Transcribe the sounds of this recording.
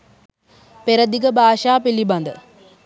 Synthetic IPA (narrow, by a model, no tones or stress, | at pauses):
peɾəd̪iɡəbʱaːʃaːpiliband̪ə